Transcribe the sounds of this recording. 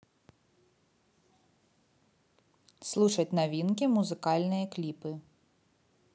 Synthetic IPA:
slˠuʂɐtʲnavʲinkʲimuzɨkɑlʲnɨjɐklʲipɨ

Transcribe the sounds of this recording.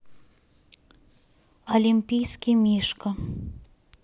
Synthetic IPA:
olʲimʲpʲijskʲimʲiʃkə

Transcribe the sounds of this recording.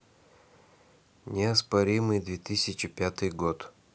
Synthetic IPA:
nʲɪɐspɐɾʲimɨjd̪vʲet̪ɨsʲɪt͡ɕɪpʲat̪ɨjɡot̪

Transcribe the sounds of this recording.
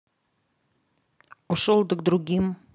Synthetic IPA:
oʃolˠd̪ək̚d̪ɾuɣʲim

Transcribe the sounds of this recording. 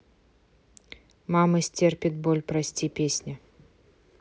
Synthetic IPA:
mamɐsʲt͡sʲerpʲit̪̚bɔlʲpɾasʲt͡sʲipʲesʲnʲɐ

